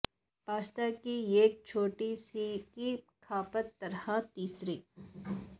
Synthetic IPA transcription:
paːt͡ʃt̪akieːk̚t͡ʃʰoːʈisiki | kʰaːpət̪ːɐɾhat̪iːsɾiː

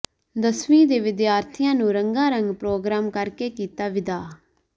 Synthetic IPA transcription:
d̪əsʋĩːd̪eːʋɪd̪jaːɾt̪ʰɪjãːnũːɾəŋɡãːɾəŋɡpɾoːɡɾaːmkəɾkeːkiːt̪aːʋɪd̪aː

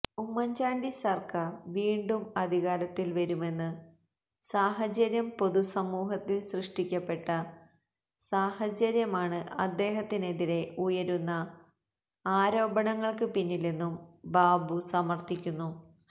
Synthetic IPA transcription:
umːɐɲd͡ʑaːɳɖisɐrkɐʋiːɳɖumɐd̪ʱiɣaːɾɐt̪ːilʋɐɾume̞nːɨ | saːɦɐt͡ɕɐɾjɐmpo̞ðusɐmuːɦɐt̪ːilɕrɨʂʈikʲːɐpːe̞ʈːɐ | saːɦɐt͡ɕɐɾjɐmaːɳɨʔɐd̪ːe̞ːɦɐt̪ːine̞ðiɾe̞ujɐɾunːɐ | aːɾo̞ːbɐɳɐŋːɐɭkɨpinːilenːumbaːbusɐmɐrt̪ikʲːunːu

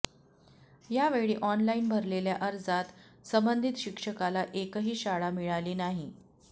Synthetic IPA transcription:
jaʋeɭiːʔɔnlainbʱəɾleljaʔəɾd͡zat̪səmbənd̪ʱit̪ɕikʂəkalaʔekəɦiːɕaɭamiɭaliːnaɦi

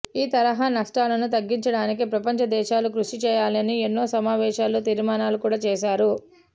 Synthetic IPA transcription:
iːt̪ɐɾɐɦaːnɐʂʈaːlɐnut̪ɐɡːiɲt͡ʃɐɽaːnik̬ipɾɐpɐɲt͡ʃɐd̪ɛːʃaːlukɾuʂit͡ʃɛːjaːlɐnienːo̞ːsɐmaːʋɛːʃaːlot̪iːɾmaːnaːlukuːɽaːt͡ʃɛːʃaːɾu

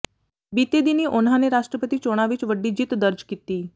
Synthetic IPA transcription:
bit̪ed̪iniːʔonɦaneɾaʂʈɾəpət̪iːt͡ɕoɽ̃aʋiːt͡sʋəɖːiːd͡ʑiːt̪d̪əɾd͡ʑkit̪iː

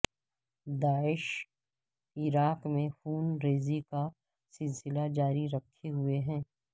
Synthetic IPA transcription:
d̪aːɪʃ | ɪɾaːkmẽfuːnɾeːzika | sɪlsɪlad͡ʒaːɾiɾɐkʰːeɦʊeɦɛ̃ː

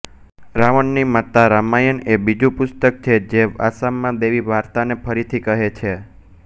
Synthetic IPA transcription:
ɾaʋəɳːimət̪aɾamajənebid͡ʒũpʊst̪ək̚t͡ʃʰed͡ʒeʋa̰samːãd̪eʋiʋaɾt̪anepʰəɾit̪ʰikəɦet͡ʃʰe

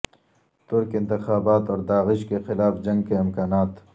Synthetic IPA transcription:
t̪ʊɾkɪ̃nt̪ɪxaːbaːt̪ɔːɾd̪aːɣɪʃkexɪlaːfd͡ʒɐ̃ŋɡ̚keɪmkaːnaːt̪

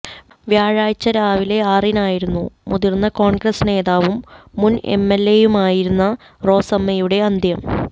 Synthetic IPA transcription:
ʋjaːɻaːjt͡ɕːɐɾaːʋile̞aːrinaːjiɾunːumuðirnːɐko̞ːɳɡrɐsne̞ːðaːʋumːune̞̰mːelːe̞jumaːjiɾunːɐ | ro̞ːsɐmːɐjuɽe̞ɐnd̪ʱjɐm

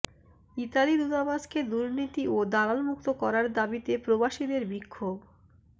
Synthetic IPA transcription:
it̪alid̪ut̪abasked̪uɾnit̪iod̪alalmuk̚t̪okɔɾaɾd̪abit̪epɾobaʃid̪eɾbikʰːob

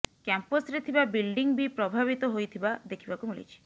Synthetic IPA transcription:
kamposɾit̪ʰibabilɖiŋbipɾɔbʱabit̪ɔɦojt̪ʰibad̪ekʰibakumilḭt͡ʃʰi̥

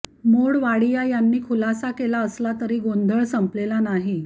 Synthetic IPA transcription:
moɽʋaɽijajanːiːkʰulasakelaəslat̪əɾiːɡond̪ʱəɭsəmplelanaɦi

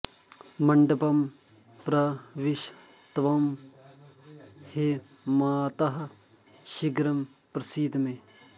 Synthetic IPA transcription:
mɐɳɖɐpɐm | pɾɐʋɪʃ | t̪ʋɐm | he | maːt̪ɐɦ | ʃiɡɾɐm | pɾɐsiːd̪mẽ

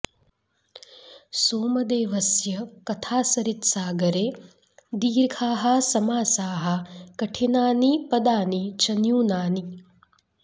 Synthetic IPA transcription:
soːmɐd̪eːʋɐsjɐkɐt̪ʰaːsɐɾit̪saːɡɐɾeː | d̪iːɾkʰaːɦɐsɐmaːsaːɦɐkɐʈʰinaːnipɐd̪aːnit͡ʃɐnjuːnaːni

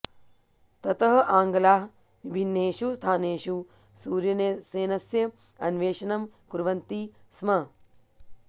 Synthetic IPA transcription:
t̪ɐt̪ɐɦɐ̆ʔaːŋɡɐlaːɦ | ʋibʱinːeːʃust̪ʰaːneːʂu | suːɾjɐneseːnɐsjɐ | ɐnʋeːʃɐnɐmkuɾʋɐnt̪ismɐ

